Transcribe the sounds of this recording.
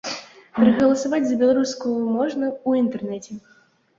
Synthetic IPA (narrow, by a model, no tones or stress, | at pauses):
pɾɐɣɐlˠɐsɐvad͡zʲzɐbʲɛlˠɐɾuskujʊmɔʐnɐuint̪ɛrnɛt͡sʲɛ